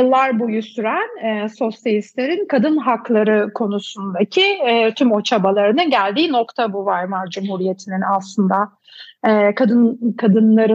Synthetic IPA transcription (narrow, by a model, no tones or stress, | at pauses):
jɯlˠːaɾbojusyɾænɛso̞selʲist̪lʲeɾinkʰad̪ɯnɦaklˠaɾɯkʰo̞nusund̪acʰit̪ʰymo̞t͡ʃʰabalˠaɾɯnɯnɟælʲd̪iːno̞kt̪ʰabuvaɾmaɾd͡ʒumhuɾije̞t̪ʰininaslˠɯnd̪a | ɛːkʰad̪ɯnkʰad̪ɯnlˠaɾɯ